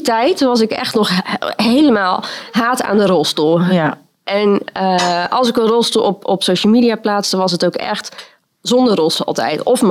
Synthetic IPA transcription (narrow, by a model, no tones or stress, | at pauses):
tɛjtʋɑs̬ɪkɛ̰xtnɔxɦejləmaːlˠɦaːta̰ːndərɔlˠstulˠ | ʔɛnəɑ̰lˠsɪkənrɔlˠstulˠɔpɔpsowʃəlˠmiːdiaplaːtsənʋɑsətowkɛ̰xt | z̥ɔndərɔlˠsɑ̰lˠtɛ̰jtɔfm